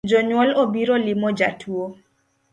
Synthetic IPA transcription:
d͡ʒɔɲwɔlobiɾolimɔd͡ʒatʰwo

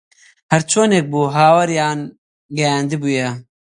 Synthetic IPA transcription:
hɐɾt͡ʃʰoːneːk̚buːɦaːwɐɾjaːn | ɡɐjaːnd̪ibujɛ

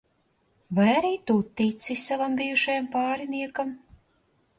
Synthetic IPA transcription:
vajaɾiːt̪ut̪ːit̪sisʲsavambijuʃajampaːɾiniɛkɐm

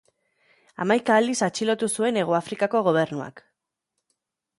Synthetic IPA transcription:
a̰majkaːld̪isat͡ʃilo̞t̪usue̞ne̞ɣ̞oafɾikako̞ɣ̞o̞β̞e̞ɾnua̰k

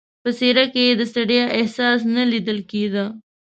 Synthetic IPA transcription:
pəseɾaked̪əsɐɽijaʔehsɑːs̬nɐlid̪əlked̪ə

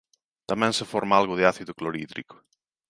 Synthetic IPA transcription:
t̪amɛ̃nsefɔɾmaalɣʊðɪaθiðʊkloɾḭðɾḭkʊ̥

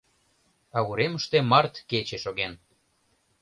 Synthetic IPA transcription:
ɑɣuɾeməʃt̪emɑrt̪ket͡ɕeʃoɣen

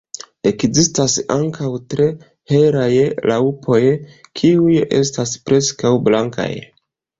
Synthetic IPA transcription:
e̞kzistasaŋkʰawtɾe̞ | he̞ɾajlʔaupʰo̞jkʰiuje̞̰staspɾe̞skawblaŋka̰j

